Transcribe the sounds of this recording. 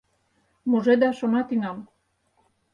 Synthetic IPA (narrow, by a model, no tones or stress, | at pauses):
moʒed̪ɑʃonɑt̪iŋɑm